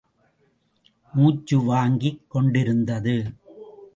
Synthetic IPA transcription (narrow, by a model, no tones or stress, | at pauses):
muːt͡ʃːɯʋaːŋɡikːɔɳɖɪɾɯnd̪ɐðɯ